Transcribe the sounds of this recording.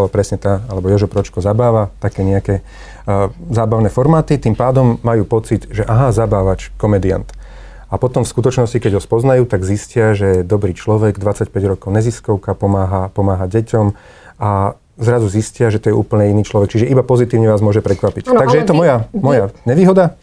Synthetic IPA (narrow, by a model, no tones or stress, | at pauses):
ɔpɾɛsɲɛt̪aalɛbɔjɔʒɔpɾɔt͡ʃkɔzabaːʋat̪akɛːɲɛakɛː | zaːbaʊnɛːfɔɾmaːt̪it̪impaːd̪ɔmːajuːpɔt͡sid̪ʒɛʔaɦazabaːʋat͡ʃkɔmɛd̪ia̰nt̪ | apɔt̪ɔmfskut̪ɔt͡ʃnɔscikɛɟɦɔspɔznajuːt̪aɡziscɪaʒɛd̪ɔbɾiːt͡ʃlɔʋɛɡd̪ʋat͡sacpɛɟɾɔkɔʊɲɛziskɔʊkapɔmaːɦapɔmaːɦaɟɛcɔm | a | zɾazuziscɪaʒɛt̪ɔjɛʔṵːpl̩ɲɛiniːt͡ʃlɔʋɛk̚t͡ʃiʒɛibapɔzit̪iːʊɲɛʋaːzmʊɔʒɛpɾɛkʋapict̪aɡʒɛjɛt̪ɔmɔjamɔjaɲɛʋiːɦɔd̪a